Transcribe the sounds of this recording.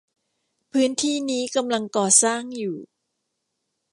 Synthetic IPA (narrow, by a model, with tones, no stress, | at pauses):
pʰɯː˦˥nt̪ʰiː˥˩niː˦˥ka˧mla˧ŋkɔː˨˩saː˥˩ŋjuː˨˩